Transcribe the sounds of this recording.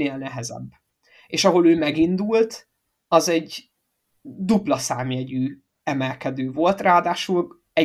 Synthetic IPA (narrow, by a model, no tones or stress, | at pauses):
eːlnɛɦɛzɛ̰bː | eːʃɒɦo̞løːmɛɡind̪ult̪ | ɒzɛɟ | d̪uplɒsaːmiɛɟyː | ɛmɛlkɛd̪øːvo̞lt̪raːd̪aːʃul | ɛ